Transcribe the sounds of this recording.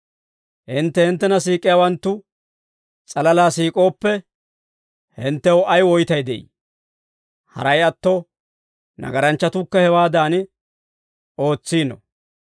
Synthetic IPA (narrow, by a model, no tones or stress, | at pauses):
hɪnt̪ːɛhɪnt̪ːɛnɐsiːkʼːɪjawɐnt̪ːʊ | t͡sʼɐlɐlaːsiːkʼo̞ːpːɛ | hɪnt̪ːɛwɐjwɔjt̪ɐjd̪ɛ̰ʔḭ | hɐ̰ɾɐjɐt̪ːo | nɐ̰ɡɐɾɐnt͡ʃːɐt̪ʊkːɐhɛwaːd̪aːn | o̞ːt͡sːiːnɔ̰